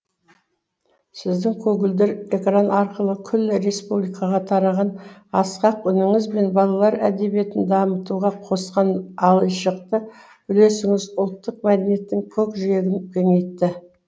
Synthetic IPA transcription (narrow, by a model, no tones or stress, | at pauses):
sɪzd̪ɪŋkʲʰɵɡʲɪld̪eɾekranɑɾqəlˠəkʲʰʏlːɪɾe̞spublijkɑʁɑt̪ʰɑɾɑʁɑnɑsqɑqʏnɪŋɪzbe̞nbɑlˠɑlˠɑɾæd̪e̞bije̞t̪ɪnd̪ɑmət̪uʁɑqʰo̞sqɑnɑlˠəjʃəq̚t̪ə | bʏle̞sɪŋɪzʊlˠt̪ːəq̚mæd̪enije̞t̪ːɪŋkʲʰɵkʒʏɾe̞ɡʲɪnkʲʰɵŋejt̪ːɪ